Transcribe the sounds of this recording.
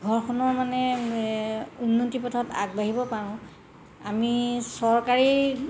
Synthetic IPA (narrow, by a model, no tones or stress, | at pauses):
ɡʱɔɹkʰɔnɔɹmanɛ | unːotipɔtʰɔta̰ɡ̚baɦibɔpaɹʊ̃ | amisɔɹkaɹi